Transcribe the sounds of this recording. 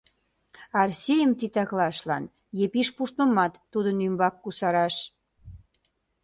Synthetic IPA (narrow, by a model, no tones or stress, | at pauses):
ɑrsʲejəmt̪it̪ɑklɑʃlɑ̰n | jepiʃpuʃt̪̚mə̆mɑt̪ːud̪ənymbɑk̚ːusɑɾɑʃ